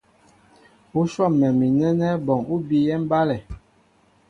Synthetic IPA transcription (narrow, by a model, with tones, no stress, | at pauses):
u˦ʃɔ˦˨mːɛ˨mi˨nɛ˦nɛ˦bɔ˨ŋu˦bi˨jɛ˦m̩˦ba˦lɛ˨